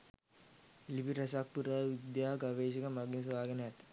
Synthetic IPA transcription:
lipiɾɐsak̚puɾaʋid̪jaːɡɐʋeːʃ̬ikɐmɐɡinsʋaːɡɐnəjat̪

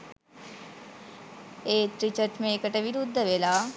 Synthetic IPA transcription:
eːt̪ɾit͡ʃəɾʈmẽːkəʈeʋiɾud̪ʱːəʋelaː

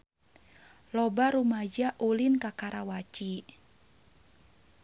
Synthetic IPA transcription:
lɔbaɾumad͡ʒaʔulinkakaɾawat͡ʃi

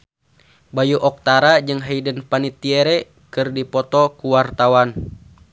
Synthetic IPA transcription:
bajuʔɔk̚t̪aɾad͡ʒɨŋɦaidənpanit̪ːiɛɾɛ | kɨrdipɔt̪ɔkuwart̪awan

